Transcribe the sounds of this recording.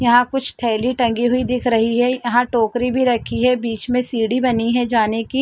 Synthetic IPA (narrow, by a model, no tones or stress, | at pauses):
jɐɦãkʊt͡ʃʰt̪ʰɛːliʈɐ̃ŋɡiɦʊid̪ɪkʰɾɐɦiɦɛjɐɦãʈoːkɾibʱiɾɐkʰiɦɛbiːt͡ʃmẽsiːɽibɐniɦɛd͡ʒaːneki